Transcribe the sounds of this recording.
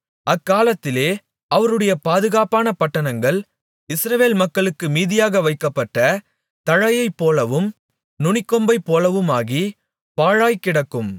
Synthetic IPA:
ʔɐkːaːlɐt̪ːɪleː | ɐʋɐɾɯɽɐjɐpaːðɯɣaːpaːnɐpɐʈːɐnɐŋɡɐɭ | ɪsɾɐʋeːlmɐkːɐɭɯkːɯmiːðɪjaːɣɐʋɐɪkːɐpːɐʈːɐ | t̪ɐɻɐjɐɪpːoːlɐʋɯm | nʊɳɪkːɔmbɐɪpːoːlɐʋɯmaːɣi | paːɻaːjkːɪɽɐkːɯm

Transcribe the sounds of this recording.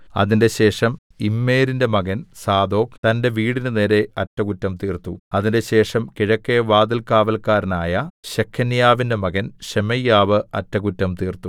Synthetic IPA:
ɐ̰ðinde̞ɕe̞ːʂɐm | imːe̞ːɾinde̞mɐɣɐnsaːd̪o̞ːkt̪ɐnde̞ʋiːɽinɨne̞ːɾe̞ɐtːɐɣutːɐmt̪iːrt̪uɐðinde̞ɕe̞ːʂɐmkiɻɐkːeʋaːd̪ɐlkaːʋɐlkaːɾɐnaːjɐɕekʰːɐnjaːʋinde̞mɐɣɐnɕemɐjːaːʋɨɐ̰tːɐɣutːɐmt̪iːrt̪u

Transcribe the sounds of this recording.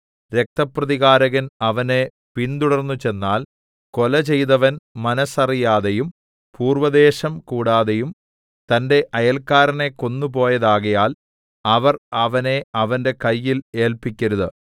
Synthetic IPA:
ɾe̞k̚t̪ɐprɐðiɣaːɾɐɣɐnɐʋɐne̞ | pint̪uɽɐrnːut͡ɕe̞nːaːl | ko̞lɐt͡ɕe̞jt̪ɐʋɐnmɐnɐsɐrijaːðejum | puːrʋɐðe̞ːɕɐmkuːɽaːðejum | t̪ɐnde̞ʔɐjɐlkaːɾɐne̞kːo̞nːup̬o̞ːjɐðaːɣɐjaːl | ɐʋɐrɐʋɐne̞ɐʋɐnde̞kɐjːile̞ːlpikʲːɐɾuðɨ

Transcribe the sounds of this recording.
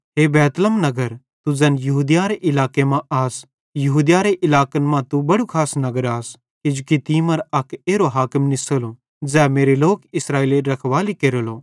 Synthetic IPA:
ɦeːbɛːt̪ləmnɐɡəɾ | t̪ud͡zɛ̃ːnjɐɦuːd̪jaɾeʔɪlaːkemãaːs | jɐɦuːd̪jaɾeʔɪlaːkənmãt̪ubɐɽukʰaːsnɐɡəɾaːs | ɪd͡ʒkit̪iːmɐɾɐkeːɾoɦaːkəmnɪsəlo | d͡zɛːmeːɾeloːkɪsɾaːeːleɾɐkʰʋaːlikeːɾoloː

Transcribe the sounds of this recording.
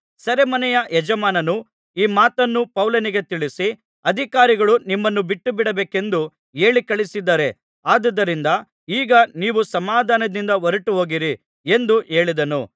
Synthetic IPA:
sɐɾemɐnɛjɐʔɛd͡ʒɐmaːnɐnu | iːmaːt̪ɐnːupɐwlɐniɡe̞t̪iɭisi | ɐd̪ʱikaːɾiɡɐɭunimːɐnːubiʈːubiɽɐbeːke̞nd̪u | e̞ːɭikɐɭisid̪ːaːɾe̞ | aːd̪ɐd̪ːɐɾind̪ɐ | iːɡɐniːʋusɐmaːd̪ʱaːnɐd̪ind̪ɐʋɐɾɐʈuɦo̞ːɡiɾi | e̞nd̪uʔe̞ːɭid̪ɐnṵ

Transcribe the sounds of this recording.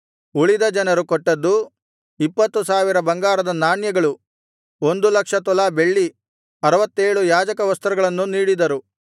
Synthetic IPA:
uɭid̪ɐd͡ʒɐnɐɾukɔʈːɐd̪ːu | ipːɐt̪ːusaːʋiɾɐbɐŋɡaːɾɐd̪ɐnaːɳjɐɡɐɭu | o̞nd̪ulɐkʂɐt̪ɔlaːbe̞ɭːi | ɐɾɐʋɐt̪ːeːɭujaːd͡ʒɐkɐʋɐst̪ɐɾɐɡɐɭɐnːuniːɽid̪ɐɾu

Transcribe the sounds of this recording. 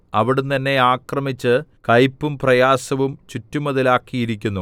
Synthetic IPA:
ɐʋiɽunt̪ɐnːe̞aːkrɐmit͡ɕːɨkɐjpːumprɐjaːsɐʋumt͡ɕutːumɐðilaːkːijiɾikʲːunːu

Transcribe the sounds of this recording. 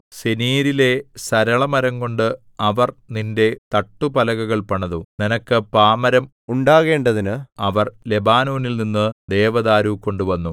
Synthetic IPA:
seniːɾile̞sɐɾɐɭɐmɐɾɐŋko̞ɳɖɨ | ɐʋɐrninde̞t̪ɐʈːupɐlɐɣɐɣɐɭpɐɳɐðuninɐkːɨpaːmɐɾɐm | uɳɖaːɣe̞ːɳɖɐðinɨɐʋɐrle̞baːnoːnilninːɨd̪eːʋɐðaːɾuko̞ɳɖuʋɐnːu

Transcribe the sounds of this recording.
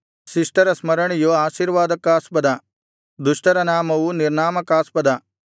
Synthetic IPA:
siʂʈɐɾɐsmɐɾɐɳijoaːʃiːɾʋaːd̪ɐkaːspɐd̪ɐ | d̪uʂʈɐɾɐnaːmɐʋuniɾnaːmɐkaːspɐd̪ɐ

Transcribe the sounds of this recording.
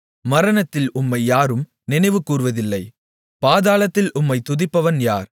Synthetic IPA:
mɐɾɐnɐt̪ːɪlʊmːɐɪjaːɾɯm | nɪnɐɪʋɯkːuːɾɯʋɐðɪlːɐɪ | paːðaːlɐt̪ːɪlʔʊmːɐɪt̪ʊðɪpːɐʋɐnjaːɾ

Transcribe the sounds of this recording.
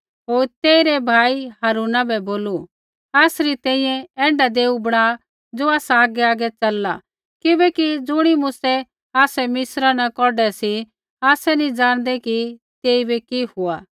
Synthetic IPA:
ɦoːɾt̪eːiɾɛbʱaːiɦaɾuːnabɛboːlu | aːsɾit̪ɛ̃ːĩjɛ̃ɛ̃ːɳɖad̪eːubɐɽ̃a | d͡zoːaːsaaːɡɛaːɡɛt͡ʃɐlːa | kɪbɛkid͡zʊɽ̃imʊsɛ | aːsɛmɪsɾanakɔɖɛsi | aːsɛnĩd͡zãːɽ̃d̪ɛki | t̪eːibikihʊaː

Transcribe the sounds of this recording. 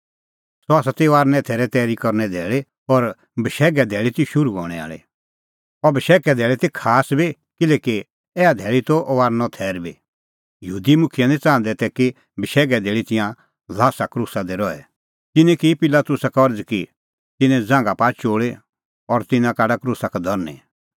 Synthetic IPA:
sɔaːsat̪eaːɾnɛ̃t̪ʰɛːɾɛt̪ɛːɾikɔɾnɛd̪ʱɛːɭe | ɔɾ | bəʃɛːɡɛd̪ʱɛːɭit̪iʃʊɾuɡʱɔ̰ːɽ̃ɛa̰ːɭḛ | ɔbʱəʃɛːkɛd̪ʱɛːɭɛt̪ikʰaːsbi | kɪlɛːki | ɛːad̪ʱɛːɭit̪ɔʔɔʋaːɾnɔt̪ʰɛːɾbḭ | jəɦuːd̪imʊkʰɪjanɛ̃t͡sãːnd̪ɛt̪ɛki | bʱəʃɛːɡɛd̪ʱeːɭit̪ɪ̃jã | laːsakɾuːsad̪ɛɾɔɛ | t̪ɪnɛ̃kipɪlat̪ʊsakɔɾd͡zki | t̪ɪnɛ̃d͡zãːŋɡapaːt͡ʃoːɭe | ɔɾt̪ɪnãkaːɖakɾusakɛd̪ʱɔɾnḛ

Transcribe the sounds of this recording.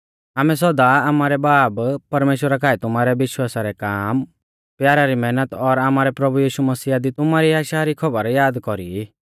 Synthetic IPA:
aːmɛs̬ɔd̪aamaːɾɛbaːbpɐɾmeːʃwəɾakaːɛt̪ʊmaɾɛbɪʃwaːsaɾɛkaːm | pjaːɾaɾimɛːnət̪ɔɾaːmaːɾɛpɾɐbujiːʃumɐsiːad̪it̪ʊmaɾiaːʃaɾikʰɔbəɾjaːd̪kɔɾi

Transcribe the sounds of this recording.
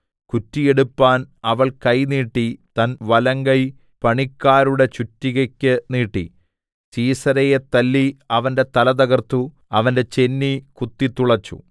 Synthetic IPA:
kutːije̞ɽupːaːnɐʋɐɭkɐjniːʈːit̪ɐnʋɐlɐŋɡɐj | pɐɳikːaːɾuɽe̞t͡ɕutːiɣɐkʲːɨniːʈːḭ | siːsɐɾɐjet̪ɐlːiɐʋɐnde̞t̪ɐlɐd̪ɐɣɐrt̪ːu | ɐʋɐnde̞t͡ɕe̞nːikut̪ːit̪uɭɐt͡ɕːṵ

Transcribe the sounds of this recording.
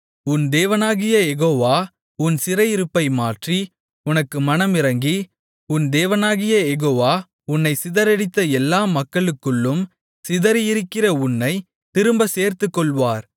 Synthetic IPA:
ʊnd̪eːʋɐnaːɣɪjɐjɛɣoːʋaː | ʊnsɪɾɐjɪɾɯpːɐɪmaːʈri | ʊnɐkːɯmɐnɐmɪɾɐŋɡi | ʊnd̪eːʋɐnaːɣɪjɐjɛɣoːʋaː | ʊnːɐɪsɪðɐɾɛɽɪt̪ːɐɛlːaːmɐkːɐɭɯkːɯɭːɯm | sɪðɐɾjɪɾɯkːɪrɐʊnːɐɪ | t̪ɪɾɯmbɐseːɾt̪ɯkːɔɭʋaːɾ

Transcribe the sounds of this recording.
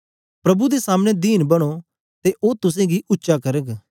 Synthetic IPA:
pɾɐbud̪esaːmɽ̃ed̪iːnbɐɽ̃o | t̪eʔoːt̪ʊs̬ẽːɡiʔʊtːʃakɐɾəɡ

